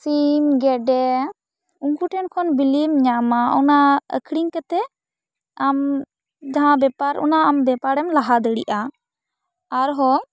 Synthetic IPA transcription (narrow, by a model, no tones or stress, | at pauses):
simɡɛɖɛ | uŋkuʈɛnkʰɔnbilimɲamaɔ̰naə̰kʰɽiŋkət̪ɛ | am | d͡ʒaɦãbɛpaɾɔ̰naambɛpaɾɛmlaɦad̪əɽḭʔa | ɾɦɔ